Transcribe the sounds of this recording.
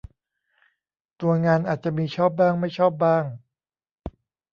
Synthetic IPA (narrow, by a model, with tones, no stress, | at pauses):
t̪u˧ɐŋaː˧nʔaː˨˩t̪̚t͡ɕa˨˩miː˧t͡ɕʰɔː˥˩p̚baː˥˩ŋma˥˩jt͡ɕʰɔː˥˩p̚baː˥˩ŋ